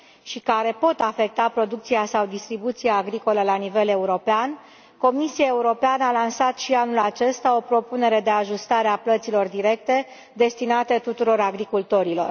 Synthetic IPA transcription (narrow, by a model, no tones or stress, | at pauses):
ʃikaɾe̞po̞t̪afe̞k̚t̪apɾo̞d̪uk̚t̪sijasawd̪ist̪ɾibut̪sijaːɡɾiko̞ləlanivele̞uɾo̞pean | ko̞misiae̞uɾo̞peanəalansat̪ʃianulat͡ʃe̞st̪ao̞pɾo̞pune̞ɾe̞d̪e̞aʒust̪aɾeaplət̪silo̞rd̪iɾe̞k̚t̪e̞ | d̪e̞st̪inat̪e̞t̪ut̪uɾo̞ɾaɡɾikult̪o̞ɾilo̞̰r